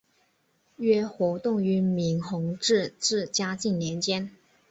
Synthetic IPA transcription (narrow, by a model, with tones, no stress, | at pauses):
ɥɛ˥xwɔ˧˥t̪ʊ˥˩ŋy˧˥mi˧˥ŋxʊ˧˥ŋʈ͡ʂɻ̩˥˧ʈ͡ʂɻ̩˥˩t͡ɕja˥t͡ɕi˥˩ŋnjɛ˧˥nt͡ɕjɛ˥n